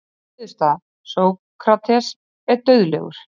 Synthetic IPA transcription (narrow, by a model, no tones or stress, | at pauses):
ðʏst̪a | soːw | kʰɾat̪ʰɛs | ɛɾt̪œɥðlɛ̰ɣʏ̰ɾ̥